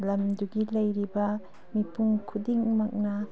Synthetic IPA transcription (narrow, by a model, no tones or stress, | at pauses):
lɐmduɡilɐjɾibɐ | mipʰuŋkʰudiŋmak̚nɐ